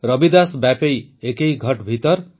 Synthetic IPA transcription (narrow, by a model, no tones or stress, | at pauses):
ɾʌbid̪asbapejekejɡʱʌʈbʱit̪ʌɾ